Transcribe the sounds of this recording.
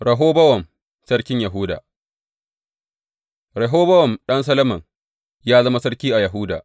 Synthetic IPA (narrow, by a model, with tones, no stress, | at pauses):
ɾɐ˨ɦoː˦bɐ˦wɐ˨n | sɐ˦ɽkʲɪ˦ɲjɐ˨ɦʊ˦da̰ː˨ | ɾɐ˨ɦoː˦bɐ˦wɐ˨nɗɐ˦ns̬ɐ˦lɐ˦mɐ˨ŋ | jaː˦zɐ˦ma˦sɐ˦ɽkʲiː˦ʔa˨jɐ˨ɦʊ˦da̰ː˨ʔ